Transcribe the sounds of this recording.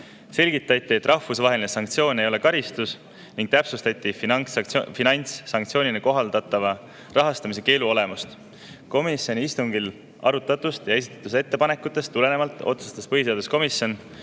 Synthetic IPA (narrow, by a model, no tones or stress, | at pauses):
se̞lʲɡ̥it̪ːˑɑt̪ːˑiet̪ːˑrʔɑhfusvɑɦe̞linesɑŋk̚t̪sijo̞ːne̞jo̞lekɑɾist̪us | niŋɡ̥̚t̪æpsust̪ɑt̪ʲːˑif | finɑjnt̪sːɑŋkt̪sio̞ːnʲineko̞ɦɑld̪̥ɑt̪ˑːɑvɑ | rɑɦɑst̪ɑmis̬e̞ke̞ːluo̞le̞must̪ | ko̞misjo̞nʲiist̪uŋɡ̥il | ɑ̰ɾut̪ːˑɑt̪ːust̪jɑe̞s̬i̥t̪ːˑɑ̥t̪ːˑus̬e̞t̪ːe̞pɑne̞kːˑut̪ːˑe̞st̪ːule̞ne̞mɑlt̪ːˑo̞̰t̪su̥st̪ɑspɤɦis̬e̞ɑd̪̥usko̞misjo̞n